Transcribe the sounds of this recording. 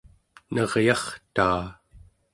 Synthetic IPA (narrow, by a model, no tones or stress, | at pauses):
nʌʁjɑχt̪aː